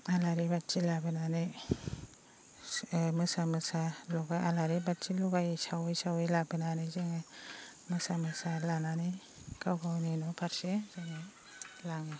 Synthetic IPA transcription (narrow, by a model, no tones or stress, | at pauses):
alaɾibatt͡ʃilabɯnane | mɯsamɯsalɔɡajalaɾibatt͡ʃilɔɡajsawjsawejlabɯnanezeŋɯmɯsamɯsalanane | kawɡʰawninɔpʰaɾsezeŋɯ | laŋɯ